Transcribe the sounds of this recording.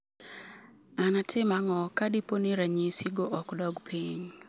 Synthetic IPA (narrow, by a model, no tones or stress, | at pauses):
anatʰɪmaŋɔkadiponiɾaɲisiɡoʔɔkdɔɡpʰiɲ